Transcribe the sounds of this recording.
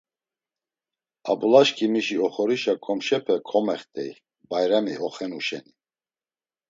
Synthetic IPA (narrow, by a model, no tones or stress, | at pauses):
a̰bulaʃkʰʼimiʃiɔχɔɾiʃakʰʼɔmʃɛpʰɛkʰɔmɛχt̪ʼɛj | bajɾamḭɔχɛnuʃɛ̰ni